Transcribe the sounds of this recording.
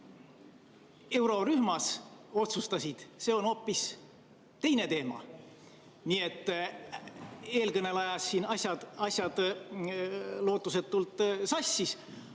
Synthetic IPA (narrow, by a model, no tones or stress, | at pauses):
e̞wɾo̞ɾyhmɑso̞t̪sust̪ɑsʲid̪̥se̞ːo̞no̞pːˑis | t̪e̞jnet̪e̞ːmɑ̰ | nie̞t̪ːˑ | e̞ːlkɤne̞lɑjɑsːiːnɑsʲjɑ̥ɑsʲjɑd̪̥ | lo̞ːt̪ːˑuse̞t̪ːult̪ːˑsɑsʲːis